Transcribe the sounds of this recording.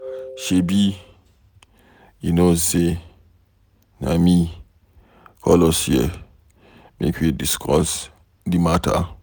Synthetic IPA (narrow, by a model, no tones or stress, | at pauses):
ʃebi | inoze | na̰mi | kʰɔ̰lɔsie | mḛkʰiediskʰɔs | dimatʰa̰